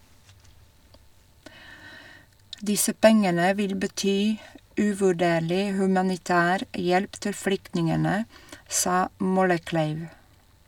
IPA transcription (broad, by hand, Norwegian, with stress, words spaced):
ˈdɪsə ˈpɛŋənə ˈʋɪl bəˈtyː ʉʋʉˈɖeːɭɪ hʉmɑnɪˈtæːɾ ˈjɛlp ˈtɪl ˈflʏktnɪŋənə ˈsɑː ˈmɔləˌklæɪʋ